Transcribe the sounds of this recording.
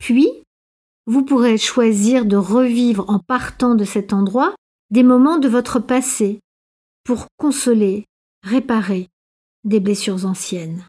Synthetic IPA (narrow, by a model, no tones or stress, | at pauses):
pɥi | vupuʁeʃwaziʁd̪əʁəvivʁɑ̃paʁt̪ɑ̃d̪əsɛt̪ɑ̃d̪ʁwa | d̪emɔmɑ̃d̪əvɔt̪χəpase | puʁkɔ̃sɔle | ʁepaʁe | d̪eblesyʁzɑ̃sjɛn